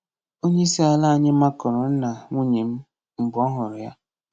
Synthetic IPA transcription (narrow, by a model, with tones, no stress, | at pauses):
o˦ɲe˦si˦a˨la˦a˨ɲɪ˦ma˦kɔ˨ɾʊ˨n̩˦na˨ŋʷu˦ɲe˨m̩˦ | m̩˨bɔ˦ɦʊ˨ɾʊ˨ja˦